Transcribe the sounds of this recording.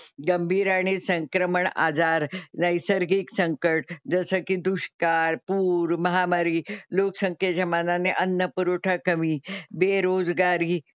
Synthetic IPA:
ɡəmbʱiːɾaɽ̃isəŋkɾəməɳa̰d͡zaɾnajsəɾɡiːksəŋkəʈ̚d͡zəsəkid̪uɕkaɾpuːɾməɦamaɾiloksəŋkʰjed͡ʑɐmananeʔənːəpuɾoʈʰakəmibeɾod͡zɡaɾiː

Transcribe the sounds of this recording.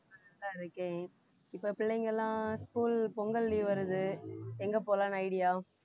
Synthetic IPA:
ɐnɐt̪ãːɪɾɯkːẽː | ɪpːɐpɪɭːɐŋɡɐlːãːskuːlpɔŋɡɐlːiʋɐɾɯðɯɛŋɡɐpoːlãːnɐɪɽɪjaː

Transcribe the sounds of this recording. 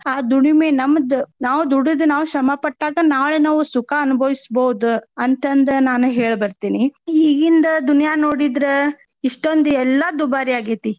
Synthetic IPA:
aːd̪uɳimenɐmɐd̪unaːʋud̪uɽud̪unaːʋuʃɐmɐpɐʈːaːɡɐnaːɭenaːʋusukaɐnubʱɐʋisbɐwud̪uɐnt̪ɐnd̪ɐnaːnuɦeːɭbɐɾt̪iːniiːɡind̪ɐd̪unjaːnoːɽid̪ɾe | iʂʈond̪uɛlːɐd̪ubaːɾiaːɡit̪i

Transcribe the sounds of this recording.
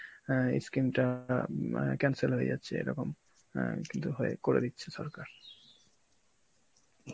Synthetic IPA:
ḛskɾimʈa | kɛnselɦojḛd͡ʑatːɕʰeḛjɾɔkom | kint̪uɦoḛkoɾḛd̪itːɕʰeʃɔɾkaɾ

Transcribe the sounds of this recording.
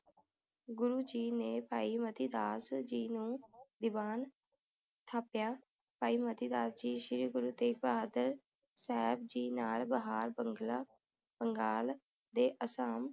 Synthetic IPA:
ɡʊɾuːd͡ʒiːneːpaːiːmət̪iːd̪aːsd͡ʒiːnũːd̪ɪbaːn | t̪ʰaːpjaː | paːiːmət̪iːd̪aːsd͡ʒiːʃɪɾiːɡʊɾuːt̪eːbaːd̪əɾ | sɛːbd͡ʒiːnaːlbəɦaːɾbəŋɡlaː | bəŋɡaːl | d̪eːʔəsaːm

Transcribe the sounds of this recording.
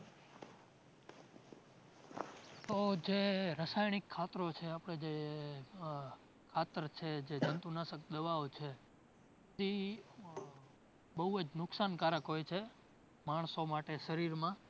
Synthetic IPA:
t̪od͡ʒeɾəsajɽikʰːat̪ɾot͡ʃʰeapɽ̃ed͡ʒe | kʰat̪əɾt͡ʃʰed͡ʒed͡ʒənt̪unasək̚d̪əʋaot͡ʃʰe | d̪i | bəɦuəd͡ʒnʊksankaɾəkɦojt͡ʃʰe | maɳ̃somaʈeʃəɾiɾmã

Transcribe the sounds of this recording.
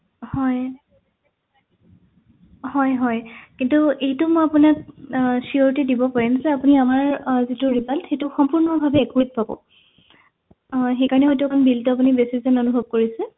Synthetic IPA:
hɔj | hɔjɦɔjkintuejtʊmɔjapunak̚sioɹtidibɔpaɹimzɛapuniamaɹzituɹizaltxetuxɔmpuɹnɔbʱabɛːkit̚pabɔ̰ | xejkaɹɔnɛɦɔjt̬uɛkʰɔnbiltʊap̬unibesizɔnɔnubʱɔb̚koɹisɛ

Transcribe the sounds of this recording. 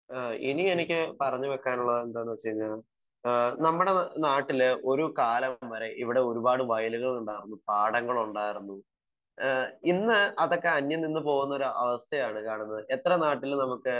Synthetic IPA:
ḭnie̞nikʲːɨpɐrɐɲːuʋekːaːnuɭːɐðe̞nd̪aːɳɐt͡ɕejiɲːaɭ | nɐmːuɽe̞naːʈːilo̞ɾukaːlɐmʋɐɾe̞ʔiʋiɽe̞o̞ɾubaːɽɨʋɐjluɣɐɭuɳɖaːjiɾunːupaːɽɐŋɡɐɭuɳɖaːjiɾunːu | inːɨɐðo̞kːe̞ɐnjɐninːɨpo̞ːɣunːɐo̞ɾuʔɐʋɐst̪ʰɐjaːɳɨkaːɳunːɐðɨe̞t̪ːrɐnaːʈːilnɐmukːɨ

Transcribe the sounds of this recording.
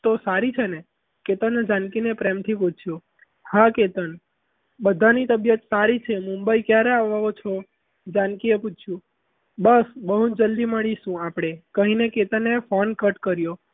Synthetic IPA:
t̪osaɾit͡ʃʰene | ket̪ənd͡ʒãnkinepɾemt̪ʰiput͡ʃʰjũ | haket̪ən | bəd̪ʱanit̪əbjət̪saɾit͡ʃʰemũmbəikjaɾeaʋaʋot͡ʃʰo | d͡ʒãnkieput͡ʃt͡ʃʰjũ | bəsbəɦud͡ʒəld̪iməɭiʃũapɽ̃ekəɦineket̪ənːefonkəʈkəɾjo

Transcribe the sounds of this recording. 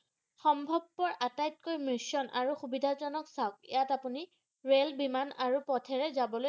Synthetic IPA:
xɔmbʱɔb̚ːɔɹʔatajtkojmɹisɔnʔa̰ɹuxubidʱazɔnɔksaʊk̚ijatapuni | ɹelbimanaɹupɔtʰɛɹɛzabɔlo

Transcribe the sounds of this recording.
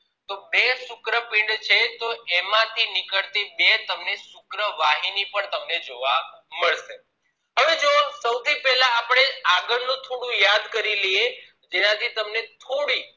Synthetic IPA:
t̪obesʊkɾəpɪ̃ɳɖt͡ʃʰet̪oemãt̪ʰinɪkəɭt̪ebet̪əmnesʊkɾəʋaɦinipəɳt̪əmned͡ʒoʋaməɭʃe | ɦəʋed͡ʒosəwt̪ʰipɛɦlaːpɽ̃eaɡəɾnũt̪ʰoɽũjad̪kəɾileje | d͡ʒenãt̪ʰit̪əmnet̪ʰoɽi

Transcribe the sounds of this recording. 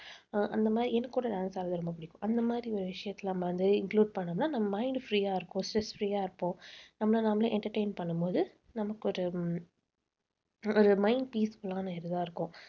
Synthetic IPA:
ʔɐnd̪ɐmaːd̪ɾiɛnːɐkːuːɽɐɖaːnsaːɾɐðɯɾɔmbɐpɪɽɪkːʊ̃ʔɐnd̪ɐmaːd̪ɾiɔɾɯʋɪʂɐjɐt̪ːɪlɐnɐmːɐʋɐnd̪ɯɪŋkluːɖ̚pɐɳːɐmnaːnɐmːɐmɐɪɳɖfɾiːaːɪɾɯkːʊ̃sʈɾɛsfɾiːjaːɪɾɯpːõnɐmːɐlɐnaːmɐlɐ̃ʔɛɳʈɐɾʈeɪnpɐɳːɯmpoːðɯ | nɐmɐkːɔɾɯ | ɔɾɯmɐɪɳɖ̚piːskɔlːaːnɯɛɾɯðãːɪɾɯkːʊ̃

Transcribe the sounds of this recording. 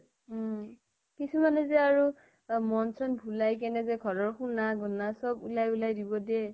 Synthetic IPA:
kisumanɛzɛaɹu | mɔnsɔnbʱulajk̬ɛnɛzɛɡʱɔɹɔɹxunaɡɔnasɔbulajulajdibɔdiɛ

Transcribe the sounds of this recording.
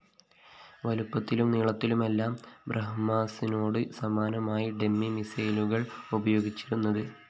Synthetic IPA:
ʋɐlupːɐt̪ːilumniːɭɐt̪ːilume̞lːaːmbrɐɦmaːsino̞ːɽɨsɐmaːnɐmaːjiɖe̞mːimisɐjluɣɐɭubɐjo̞ːɡit͡ɕːiɾunːɐðɨ

